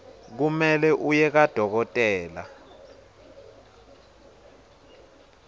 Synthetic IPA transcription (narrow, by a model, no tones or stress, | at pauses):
k̬umɛlɛʔujɛk̬ad̥ʱɔk̬ɔtʼɛːla̰